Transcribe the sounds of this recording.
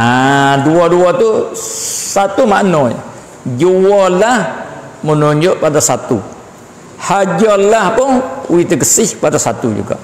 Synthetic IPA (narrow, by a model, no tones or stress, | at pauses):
aduaduat̪u | sat̪umaʔnɔj̰ | d͡ʒuwɔlah | mənoɲd͡ʒɔʔpadasat̪ṵ | had͡ʒɔlahpʊŋuwit̪əkəsɪhpadasat̪ud͡ʒṵɡa̰ʔ